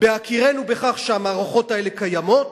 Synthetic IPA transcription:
b̥eakiʁe̞nube̞χaχʃeamaːʁoχo̞tae̞le̞kajamo̞t

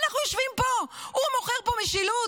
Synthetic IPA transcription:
naχnujoʃvimpoumoχeʁpomeʃilu

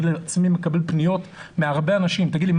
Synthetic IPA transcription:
d̪liat͡smimekabe̞lpnijo̞t̪meaʁbeanaʃimt̪aɡid̪lim

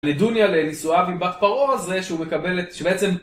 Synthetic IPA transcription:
ledunjalenisuavibat̪paʁoazeʃeume̞kabeleʃebeet͡se̞m

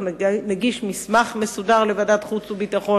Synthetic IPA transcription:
neɡiʃmismaχmesud̪aʁlevad̪at̪χut͡subit̪aχo

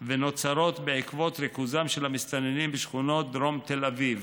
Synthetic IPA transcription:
veno̞t͡saɾo̞t̪beʕikvo̞t̪ɾekuzamʃelhamist͡s̪anenimbiʃχuno̞t̚d̪ɾo̞mt̪elaviv

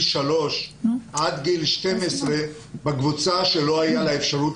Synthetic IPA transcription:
ʃalo̞ʃʔad̪ɡilʃte̞mesʁe̞ | beɡvut͡saʃelo̞ajalaefʃaʁut

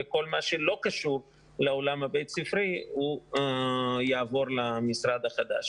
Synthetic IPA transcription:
eko̞lmaʃelo̞kaʃuɾ | lao̞lamabejt̪sifɾiu | jaːvo̞ɾlamisɾad̪haχad̪a̰ʃ

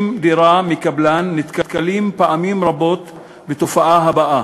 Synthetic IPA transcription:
md̪iɾamikablanːit̪kat̪kalimpaʔamimɾabo̞t̪ | bet̪ofaʔaɦabaʔa

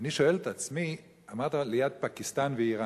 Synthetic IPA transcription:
niʃoɛlt̪at͡smi | amad̪əliat̪̚pakist̪anviːʁa

